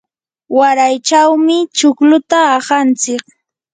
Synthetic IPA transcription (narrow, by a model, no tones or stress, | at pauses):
waɾajt͡ʃawmɪt͡ʃʊklʊt̪aːhant͡sɪk